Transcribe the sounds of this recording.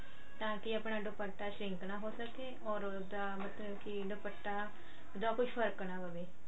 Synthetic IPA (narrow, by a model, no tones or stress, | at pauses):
t̪ãːkɪəpɳaːɖʊpəʈːaːʃɾɪ̃ŋknaːɦoːsəkeːɔːɾ | d̪aːmət̪ləbkɪɖʊpəʈːaː | d̪ãːkʊt͡ʃpʰəɾknaːbəbeː